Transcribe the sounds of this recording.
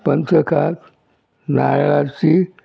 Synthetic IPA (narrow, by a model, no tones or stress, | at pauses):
pənt̪əkʰat̪ | najɭat͡si